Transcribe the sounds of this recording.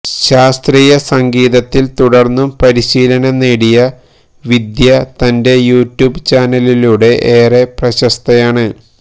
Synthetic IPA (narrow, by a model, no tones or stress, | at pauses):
ɕaːst̪riːjɐsɐŋɡiːðɐt̪ːilt̪uɽɐrnːumpɐɾiɕiːlɐnɐnːeːɽijɐ | ʋid̪jɐt̪ɐnde̞juːtjuːbt͡ɕaːnɐliluːɽe̞ʔeːreprɐɕɐst̪ʰɐjaːɳɨ